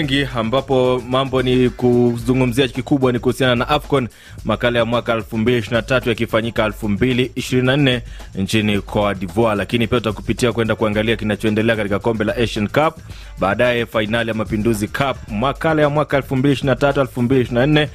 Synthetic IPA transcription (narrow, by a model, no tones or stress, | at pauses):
ŋɡiambapɔmambɔnikuzuŋɡum̩ziaʄikikuɓwanikuhusiananaʔafkɔn | makalajamwakaɛlfumbiliʃ̬iɾinatatujakifaɲikaɛlfumbiliːʃiɾininan̩nɛnt͡ʃinikʰɔaɗivɔalakinipiatutakupitiakwɛndakuaŋɡaliakinat͡ʃɔɛndɛlɛakatikakɔmbɛlaʔɛʃɔnkap̚ | ɓaːɗajɛfainalijamapinduzikʰap̚makalajamwakaɛlfumbiliʃiɾinatatuɛlfumbiliʃiɾinan̩nɛ